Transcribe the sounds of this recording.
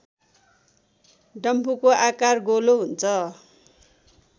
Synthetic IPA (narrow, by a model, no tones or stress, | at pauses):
ɖʌmpukoʔakarɡoloɦunt͡sʰʌ